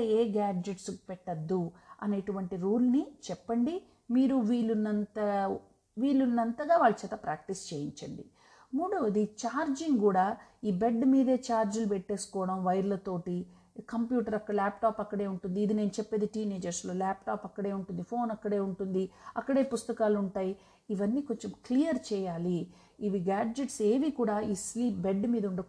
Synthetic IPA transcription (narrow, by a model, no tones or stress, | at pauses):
ɐeːɡaːd͡ʒeʈspɛʈːɐd̪ːuɐ̰ne̞ːʈuʋɐɳʈiɾuːlnit͡ʃɛpːɐɳɖi | miːɾuʋiːlːunːɐnt̪ɐ | ʋiːlːunːɐnt̪ɐɡaːʋaːɭːɐt͡ʃɛːt̪ɐpɾaːk̚ʈist͡ʃe̞ːjiɲt͡ʃɐɳɖḭ | muːɽɐʋɐd̪it͡ʃaːɾd͡ʒiŋkuːɽaːiːbe̞ɖːmiːd̪eːt͡ʃaːɾd͡ʒulupɛʈːe̞ːsu̥kɔːʋɐɽɐmʋɐjɾlɐt̪o̞ːʈi | kɐmpjuːʈɐɾɐkːɐɽɐlaːp̚ʈaːpɐkːɐɽe̞ːuɳʈund̪iːd̪ine̞ːnut͡ʃɛpːeːd̪iʈiːne̞ːd͡ʒɐɾslo̞ːlaːp̚ʈaːpɐkːɐɽe̞ːuɳʈund̪ipʰo̞ːnɐkːɐɽeːuɳʈund̪iɐkːɐɽe̞ːpust̪ɐkaːluɳʈaːji | iʋɐnːiːkoɲt͡ʃemklijɐɾt͡ʃɛːjaːliː | ʋiɡaːd͡ʒeʈse̞ːʋikuːɽaːiːsliːp̚beɖːmiːd̪ɐuɳɖɐ